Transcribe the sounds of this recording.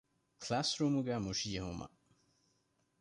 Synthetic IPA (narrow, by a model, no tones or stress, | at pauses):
kʰlasɾuːmuɡæːmuʃijɐɦumɐ̰